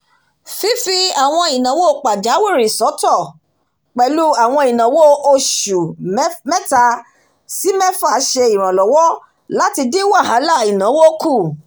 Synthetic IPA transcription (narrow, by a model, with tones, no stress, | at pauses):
fi˦fi˧a˦˨w̃ɔ̃˧i˨nã˨˦wo˦o˦˨k͡pa˨d͡ʒa˨˦we˦˨ɾi˨sɔ˨˦tɔ˦˨ | k͡pɛ˧lu˦a˦˨w̃ɔ̃˧i˨nã˨˦wo˦o˧ʃu˨˦mɛ̃˦ta˧ | si˨˦mɛ̃˦fa˦˨˦ʃe˧i˨ɾ̃ã˨lɔ˨wɔ˦ | la˦ti˧de˦wa˦˨ɦã˨˦la˦˨i˨nã˨˦wo˦ku˦˨